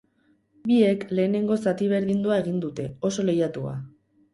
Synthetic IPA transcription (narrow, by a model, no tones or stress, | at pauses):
bie̞kle̞ːne̞ŋɡo̞sat̪iβ̞e̞ɾðind̪uae̞ɣ̞ind̪ut̪e̞o̞so̞le̞jat̪ua̰